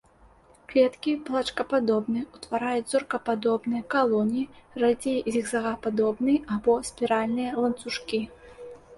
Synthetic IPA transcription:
klʲɛt̪kʲiplˠat͡ʂkɐpad̪ɔbnɨjut̪vaɾajut͡sʲzɔrkɐpad̪ɔbnɨjɐkalˠɔnʲirad͡zʲejzʲiɣzaɣapad̪ɔbnɨjabɔsʲpʲiɾalʲnɨjɐlˠɐnt̪suʂkʲi

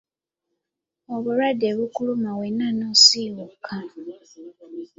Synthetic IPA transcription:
oβuɾadeβukulumawenːanoːsiwukʰa

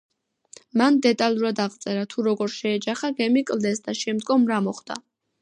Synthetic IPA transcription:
mand̪ɛt̪ʼalˠuɾad̪aʁt̪sʼɛɾat̪ʰuɾɔɡɔɾʃɛːd͡ʒaχaɡɛmikʼlˠd̪ɛsd̪aʃɛmd̪ɡɔmɾamɔχd̪̥a̰

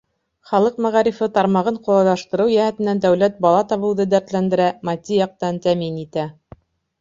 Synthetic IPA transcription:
χɑlˠɤqmæʁɑɾifɘt̪ɑɾmɑʁɤɴqulˠɑlˠɑʃt̪ɤ̆ɾɤwjæhæt̪ɘ̆nænd̪æwlæt̪̚bɑlˠɑt̪ɑβɤ̆w̪ˠðɤd̪æɾt̪lænd̪ɘ̆ɾæmɑt̪ʲijɑq̚t̪ɑnt̪æminit̪æ

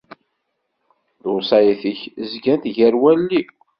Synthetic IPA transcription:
ðʊsˤɑjiθəçəzɡænt̪ʝəɾwælːi

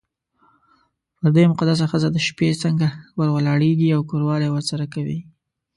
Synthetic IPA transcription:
pəɾd̪emʊqad̪as̬axəzad̪əʃpet͡səŋɡawəɾwəlɑɽeɡiawkoɾwɑlewəɾsaɾakawḭ

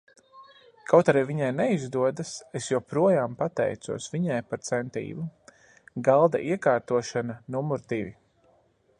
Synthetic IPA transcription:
kʰawt̪aɾiːviɲajnɛizd̪uɔd̪asesjuwpɾuɔjaːmpat̪ɛ̰jt̪sṵɔsviɲajpaɾt̪sɛnt̪ḭːvu | ɡalˠd̪a̰ʔiɛkaːɾt̪uɔʃananumuɾd̪ivi

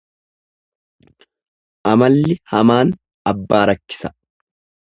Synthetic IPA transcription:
ʔɐmɐlːɪhɐmaːn | ɐbːaːɾɐkːɪ̥sɐ̥

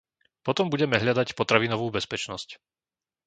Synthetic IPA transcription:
pɔt̪ɔmbuɟɛmɛɦʎad̪acpɔt̪ɾaʋinɔʋuːbɛspɛt͡ʃnɔsc

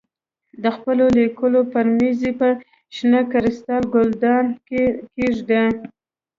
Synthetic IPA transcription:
d̪əxpəlolikəlopaɾmizipə | ʃnakaɾɪst̪ɑlɡʊld̪ɑnkeʒd̪a

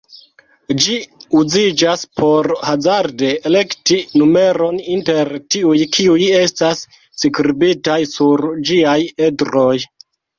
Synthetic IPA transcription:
d͡ʒiuzid͡ʒaspʰo̞ɾhazaɾde̞ːle̞ktinume̞ɾo̞ninte̞ɾtiujkʰiuje̞stas | sikɾibitajsuɾd͡ʒiaje̞dɾo̞j

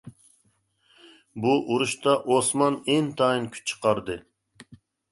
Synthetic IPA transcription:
buʔuɾuʃt̪ɑʔosmɑnent̪ʰɑɨnkʲʰy̥t͡ʃʰːə̥qɑɾd̪ɨ

